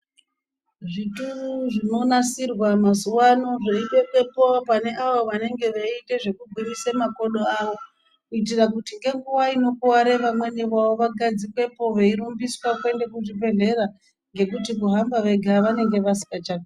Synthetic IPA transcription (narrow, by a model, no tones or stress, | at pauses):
ʐituruʐino̞nasirwamazuwano̞ʐeiɓe̞kwe̞popane̞ʔaʋoʋane̞ŋɡe̞ʋeite̞ʐe̞kuɡʱwinisemako̞ɗoaʋo̞ | kuitirakutiŋɡe̞ŋɡuʋaino̞kuwaɾe̞ʋamwe̞niʋaʋo̞ʋaɡʱad͡zikwe̞po̞ʋeiɾumbiswakwe̞nde̞k̬uʐipe̞ɮe̞ɾa | ŋɡe̞kutikuɦambaʋe̞ɡʱaʋane̞ŋɡe̞ʋasi̥kat͡ʃaːke